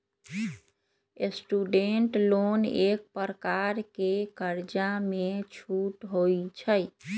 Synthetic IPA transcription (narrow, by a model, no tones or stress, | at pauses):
esʈuɖeɳʈlonek̚pəɾəkaɾkekəɾd͡ʒamet͡ʃʰuʈɦojt͡ʃʰəj